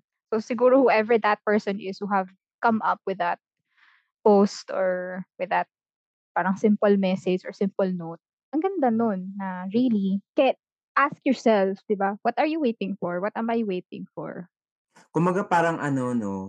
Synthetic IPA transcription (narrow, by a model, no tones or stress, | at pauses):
sosɪɡuːɾohʊʔɛvɛɹd̪ɐt̪̚pɛɹsɔ̃nʔɪshuɦɐv | kɐmʔɐp̚wɪðɐt̪̚ | post̪ɔɹwɪðɐt̪̚ | paːɾɐŋsɪmpʊlmɛsɛd͡ʒɔɹsɪ̃mpʊlnowt̪̚ | ʔɐŋɡɐnd̪anonːɐɹilikɛ | ʔaskjɔɹsɛlfd̪ɪbawɐt̪ɐɹjuwejt̪ɪ̃ŋfɔɹwɐt̪ɛmajwejt̪̚ɪ̰̃ŋfɔ̰ɹ | kʊmbɐɡapaːɾɐŋʔɐnono